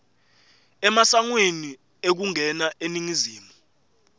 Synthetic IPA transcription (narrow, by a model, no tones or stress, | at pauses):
ɛmasaŋweni | ek̬uŋʱɛnaʔeniŋiziːmu